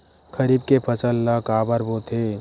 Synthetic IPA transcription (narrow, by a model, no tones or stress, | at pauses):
kʰɐɾiːb̚kepʰɐt͡ʃəlːakaːbəɾboːt̪ʰe